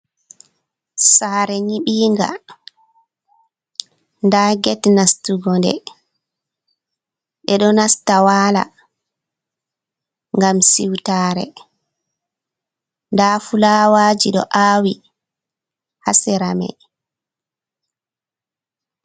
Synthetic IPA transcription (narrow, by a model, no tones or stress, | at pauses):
saːɾɛɲiɓiːŋɡa̰ | ndaɡɛtnastuɡɔndɛ̰ | ɓɛɗɔnastawaːla̰ | ŋɡamsiwtaːɾɛ̰ | ndaːfulaːwad͡ʒiɗɔ̰ʔaːwi | hasɛɾamɛ̰